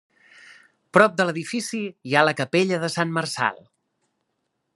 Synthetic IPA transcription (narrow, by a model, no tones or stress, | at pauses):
pɾɔp̚d̪ələðifisijaləkəpeʎəðəsanmərsa̰lˠ